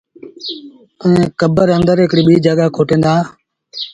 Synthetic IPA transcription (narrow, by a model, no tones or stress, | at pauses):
əẽːkəbəɾənd̪əɾɪkɽiːɓiːd͡ʒaːɠaːkʰoːʈẽːnd̪aː